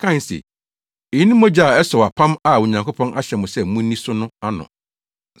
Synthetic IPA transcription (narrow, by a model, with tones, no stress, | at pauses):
kʰã˦n˨sḛ˨ | ɪ˨˦nĩ˦mɔ̃˦d͡ʑa˦˨ɛ˦sɔ˨wa˨pʰã˦ma˦˨wʊ˨ɲã˨ŋkʰo˦pʰɔ̃˦nʔa˦ɕɛ˨mʊ̃˨sɛ˦˨mʊ̃˦nĩ˦sʊ˦nʊ̃˦a˦nʊ̰̃˨